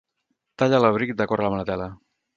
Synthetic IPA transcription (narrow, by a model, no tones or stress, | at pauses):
t̪aʎalaβɾikd̪əkɔɾalamalət̪ɛlə